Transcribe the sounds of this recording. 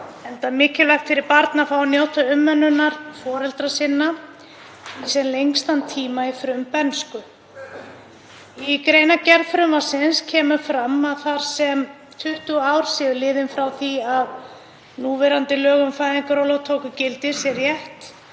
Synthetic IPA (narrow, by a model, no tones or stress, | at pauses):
ɛnt̪amɪːcɪlajxt̪fɪɾɪɾpaɾt̪nafawnjowt̪ʰaʏmːɛnːʏnːaɾ̥fɔːɾɛlt̪ɾasɪnːa | isɛnlejŋkst̪ant̪ʰiːmaifɾʏmpɛnskʏ | ikɾeːjnacɛɾfɾʏmvasɪnscʰɛːmʏfɾamːaðθaɾ̥sɛm | t̪ʰʏht̪uaːwɾ̥sɛːðʏlɪːðɪnfɾawθiað | nuːvɛɾant̪ɪlœːɣʏmfajðɪŋkaɾɔwlowt̪ʰoːwkʏcɪlt̪ɪ̥sjɛɾjɛht̪